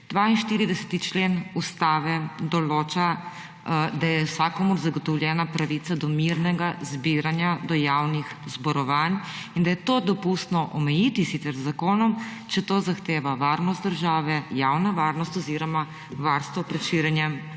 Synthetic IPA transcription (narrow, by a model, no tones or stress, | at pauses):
d̪̥ʋainʃt̪iːɾid̪ɛsɛ̥t̪it͡ʃlenust̪aːʋɛd̪ɔloːt͡ʃa | d̪ajɛwsakɔmɔɾzaɡɔt̪ɔwljɛːnapɾaʋit̪sad̪ɔmiɾnɛɡazbiɾanjad̪ɔjawnixzbɔɾɔʋanind̪ajɛt̪od̪ɔpust̪nɔʔɔmɛjiːt̪isit̪ɛɾzːakoːnɔmt͡ʃɛt̪oːzaxt̪eːʋaʋaɾnɔst̪d̪əɾʒaːʋɛjawnaʋaːɾnɔst̪ɔziɾɔma | ʋaɾst̪ʋɔpɾɛʃiɾjɛnjɛm